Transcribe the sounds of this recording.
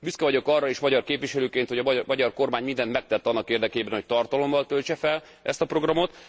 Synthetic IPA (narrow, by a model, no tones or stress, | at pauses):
byskɛvɒɟo̞kɒrːɒeːʃmɒɟɒrkeːpvʋiʃɛløːkeːnt̪ho̞ɟɒmmɒɟɒrko̞rmaːɲmind̪ɛnt̪mɛk̚t̪ɛt̪ːɒnːɒkeːrd̪ɛkeːbɛnho̞c̚t̪ɒrt̪ɒlo̞mːɒlt̪ølt͡ʃɛfɛl | ʔɛst̪ɒpro̞ɡrɒmo̞t̪